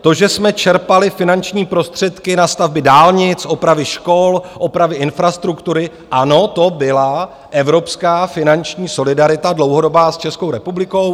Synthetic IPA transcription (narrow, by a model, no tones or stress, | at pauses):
t̪o̞ʒɛsmɛt͡ʃɛɾpalɪfɪnant͡ʃɲiːpɾo̞st̪r̝̥ɛt̪kɪnast̪avbɪdaːlɲɪt͡sʔopɾavɪʃko̞lʔopɾavɪʔɪnfɾast̪ɾukt̪uɾɪ | ʔano̞t̪o̞bɪla | ʔɛvɾo̞pskaːfɪnant͡ʃɲiːso̞lɪdaɾɪt̪adlo̞wɦodo̞baːst͡ʃɛskowɾɛpublɪko̞w